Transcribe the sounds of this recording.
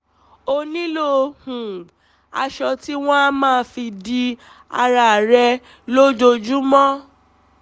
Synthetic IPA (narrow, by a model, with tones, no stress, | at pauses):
o˧nĩ˦lo˦hũ˨ | a̰˧ʃɔ˧ti˦w̃ɔ̃˦a˦mãː˦˨˧fi˧di˧ | a̰˧ɾa˨ɾɛ˧ | lo˦d͡ʒo˧d͡ʒu˦mɔ̃˦